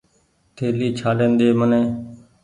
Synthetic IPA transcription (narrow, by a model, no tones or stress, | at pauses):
t̪ʰeːliːt͡ʃʰaːlẽːnd̪eːmənẽː